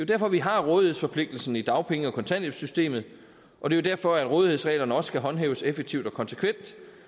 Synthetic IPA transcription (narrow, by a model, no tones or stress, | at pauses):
d̥e̝jo̝d̥æɐfɒ̽ʋiɦɑ̈ʁɔ̽ːð̞ˠihesfɒ̽pʰle̝ɡ̥̚d̥l̩sn̩id̥ɑ̈ʊpʰeŋəɒ̽kʰɒ̽nt͡sʰæn̰eb̥sysd̥e̝̰ːmð̩ˠ | ʔɒ̽d̥e̝jo̝d̥æɐfɒ̽æd̥ʁɔ̽ːð̞ˠihe̝̰sʁɛ̰ːlɐnəɒ̽sə̥ɡ̥ʰæɦɒ̽nɦḛːʊəsefeɡ̥̚t͡sʰiʊd̥ɒ̽kʰɒ̽nse̥kʰʋen̰d̥